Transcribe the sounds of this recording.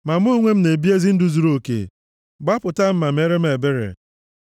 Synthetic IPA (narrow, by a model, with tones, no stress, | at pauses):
ma˨m˦o˦ŋʷe˦m̩˦ne˨bi˦e˦zi˦n̩˦dʊ˨zu˨ɾo˦˨kḛ˨ | ɡ͡ba˦pʊ˨ta˦m̩˦ma˨m̩˦e˦ɾe˦m̩˦e˨be˦ɾḛ˨